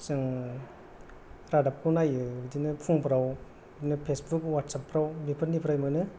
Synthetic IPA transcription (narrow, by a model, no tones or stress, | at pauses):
sɯŋ | ɾadap̚kʰunajɯdinɯpʰuŋpɾaw | dinɯpʰesbukwat̚sapʰːɾawmipʰɯnipʰɾajmɯnɯ